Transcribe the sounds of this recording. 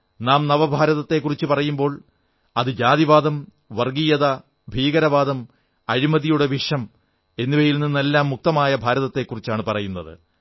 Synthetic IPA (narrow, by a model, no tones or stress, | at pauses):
naːmnɐʋɐbʱaːɾɐðɐt̪ːe̞kːurit͡ɕːɨpɐrɐjumbo̞ːɭ | ɐðɨd͡ʑaːd̪ðiʋaːd̪ɐm | ʋɐrɡijɐðɐ | bʱiːɡɐɾɐʋaːd̪ɐm | ɐɾimɐðijuɽe̞ʋiʂɐm | e̞nːiʋɐjilninːe̞lːaːmːuk̚t̪ɐmaːjɐbʱaːɾɐðɐt̪ːe̞kːurit͡ɕːaːɳɨpɐrɐjunːɐðɨ̰